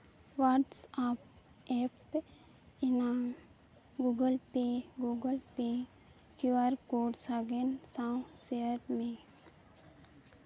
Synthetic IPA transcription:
ʋaɖsap | ep | ina | ɡuɡəlpeɡuɡəlpe | kuaɾkoːɖsaɡensãw̃seəɾmẽ

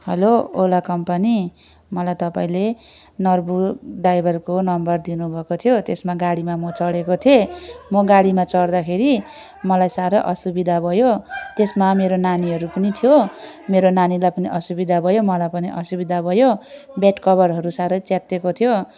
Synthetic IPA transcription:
hʌloolakʌmpani | mʌlajt̪ʌpaĩle | nʌrbuɖajbʱʌrkonʌmbʌrd̪inubʱʌkot̪ʰijot̪esmaɡaɽimamʌt͡sʌɽekot̪ʰiemʌɡaɽimat͡sʌɽd̪akʰeɾi | mʌlajsaɾʌʔʌsubid̪ʱabʱʌjot̪esmameɾonaniɦʌɾupʌnit̪ʰijo | meɾonanilajpʌniʔʌsubid̪ʱabʱʌjomʌlajpʌniʔʌsubid̪ʱabʱʌjobeʈkʌβʌrɦʌɾusaɾʌt͡sat̪ːekot̪ʰijo

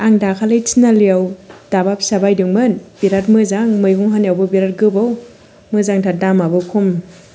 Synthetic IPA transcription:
aŋdakʰalɯjtʰinalijawdabap̚sabajdɯŋmɯnb̥iɾatmɯzaŋmɯjɡuŋɦanjawbɯbiɾat̚ɡɯbaw | mɯzaŋtʰadamabɯkʰum

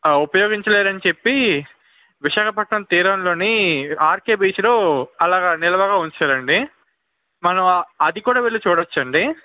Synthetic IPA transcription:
upɐjoːɡiɲt͡ʃɐleːɾɐnit͡ʃe̞pːi | ʋiʃaːkɐpɐʈnɐmt̪iːɾɐnlo̞ːniaːɾkeːbiːt͡ʃloːɐlaːɡɐnilɐʋɐɡaːuɲt͡ʃaːɾɐɳɖi | mɐnɐmɐd̪ikuːɽaːʋeɭːut͡ʃuːɽɐt͡ʃːɐɳɖi

